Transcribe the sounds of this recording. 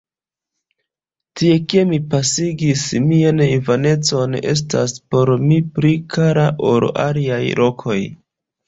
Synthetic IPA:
tie̞ke̞mipasiɡismianivane̞t͡so̞ne̞̰s̬taspo̞ɾmipɾikʰaɾaʔoɾa̰liajlʔo̞kʰo̞j

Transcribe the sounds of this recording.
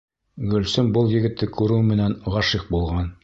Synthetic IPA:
ɡɵ̆lsɘmbɤlˠjɘ̆ɡɘ̆t̪ːɘkʉɾɘwmɘ̆nænʁɑʃiq̚bulˠʁɑn

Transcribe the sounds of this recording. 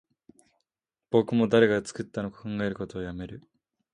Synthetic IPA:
b̥o̞kɯ̟mo̞d̪aɾe̞ɡat͡sɨ̥kɯt̪ːano̞kḁkãŋɡae̞ɾɯ̟ko̞t̪o̞ːjame̞ɾɯ̟

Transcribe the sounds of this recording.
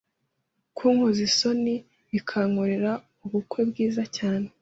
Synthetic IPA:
kʰuːŋuziso̞ni | ikʰaŋoɾe̞ɾa | uβukwe̞bɡiːzacaːne

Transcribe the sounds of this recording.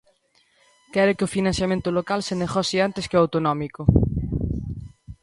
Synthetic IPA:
kɛɾokɪofinãn̟θjamẽnt̪ʊlokalseneɣɔsiant̪eskeawt̪onɔmiko

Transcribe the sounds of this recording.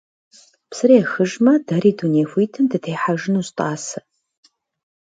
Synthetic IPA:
psɨɾeːxɨʒmɐdɐɾiːduneːxʷiːtʰɨmdɨtʰeːħaʒɪnustʼaːsɐ

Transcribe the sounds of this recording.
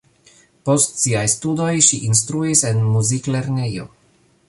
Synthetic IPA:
po̞stsiajstudo̞jʃiʔinstɾuise̞nmuzikleɾnejo̞̰

